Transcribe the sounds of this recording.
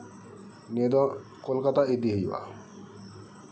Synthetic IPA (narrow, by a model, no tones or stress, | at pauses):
nid̪ɔ̃kolkat̪aed̪iɦejʋa̰